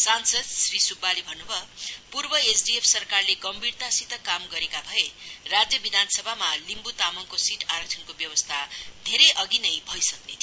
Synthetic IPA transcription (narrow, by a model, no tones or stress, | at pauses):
sansʌd̪̚srisubːalibʱʌnːubʱʌpurbʌesɖiepʰsʌrkarleɡʌmbʱirt̪asit̪ʌkamɡʌɾekabʱʌerad͡zjʌbid̪ʱansʌbʱamalimbut̪amʌŋkosiʈʰaɾʌktʰʌnkobjʌwʌst̪ʰad̪ʱeɾʌjʔʌɡinʌjbʱʌjsʌkne